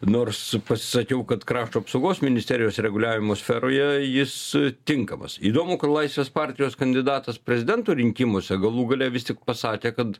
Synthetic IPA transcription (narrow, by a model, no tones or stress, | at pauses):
noːrspɐsʲɪ̥sɐkʲɛʊkɐt̪kɾɑːʃt̪oːɐpsɐʊɡoːsmʲɪnʲɪsʲt̪ʲɛːɾʲɪjoːsɾʲɛɡʊlʲæːʋʲɪmoːsʲfʲɛɾoːjɛjɪst̪ʲɪŋkɐmɐ̰siːd̪oːmʊkɐt̪lˠɐɪsʲʋʲeːspɑːɾʲt̪ʲɪjoːskɐnʲd̪ʲɪd̪ɑːt̪ɐspʲɾʲɛzʲɪd̪ʲɛnt̪oːɾʲɪŋʲkʲɪmoːsʲɛɡɐlˠuːɡɐlʲɛʋʲɪst̪ʲɪk̚pɐsɑːkʲeːkɐt̪